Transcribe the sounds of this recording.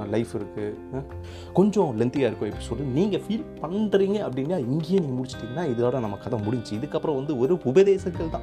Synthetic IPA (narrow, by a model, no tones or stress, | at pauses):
lɐɪfɪɾɯkːɯ | kɔɲd͡ʒɔ̃lɛnt̪ɪjaːɪɾɯkːʊ̃ɪpːɐnsɔlːiniːŋɡɐfiːlpɐɳɖɾiːŋɡɐɐpːɐɽɪnːaːɪŋɡejeːniːŋɡɐmʊɽɪt͡ʃːɪ̥ʈ̪ːiːŋɡɐnaːɪðɯlaːlɐ̃nɐmːɐkɐðɐ̃mʊɽɪɲd͡ʒt͡ʃːɯ̃ɪðɯkːɐpːɯɾɔ̃ʋɐnd̪ɯɔɾɯʊbɐðeːsɐkːɐɭt̪ãː